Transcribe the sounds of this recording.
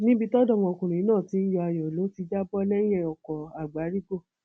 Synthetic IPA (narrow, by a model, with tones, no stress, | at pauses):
nĩ˦bi˧tɔ˦dɔ˦˨w̃ɔ̃˧o˧kũ˨ɾũ˨i˨˦nãː˦˨ti˦n̩˦ja˧˨a˧˨jɔ̃˨lo˨˦ti˧d͡ʒa˦bɔ˦lɛ˦j̃ɛ̃˦˧ɔ˨kɔ˨a˨ɡ͡ba˨˦ɾi˦ɡo˦˨